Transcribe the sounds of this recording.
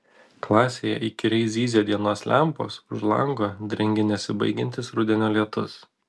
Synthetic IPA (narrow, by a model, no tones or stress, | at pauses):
klˠɑːsʲeːjɛ̰ʔɪkʲɪɾʲɛɪszʲiːzʲed̪ʲiɛnoːslʲæmpo̰ːsʊʒlˠɐ̰ŋɡoːd̪ʲɾʲɪŋʲɡʲɪnʲɛsʲɪbɐ̰ɪɡʲɛnʲt̪ʲɪsɾʊd̪ʲɛnʲoːlʲiɛt̪ʊs